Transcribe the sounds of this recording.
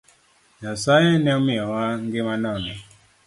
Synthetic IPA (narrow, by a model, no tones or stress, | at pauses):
jasajɛnɛmiɔwaŋɡemanɔni